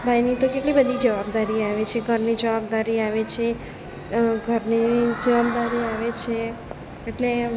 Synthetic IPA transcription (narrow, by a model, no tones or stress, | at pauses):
bʱajnit̪okeʈlibəd̪ʱid͡ʒəʋab̚d̪aɾiaʋet͡ʃʰeɡʱəɾnid͡ʒəʋab̚d̪aɾiaʋet͡ʃʰe | ɡʱəɾned͡ʒəʋab̚d̪aɾiaʋet͡ʃʰe | eʈle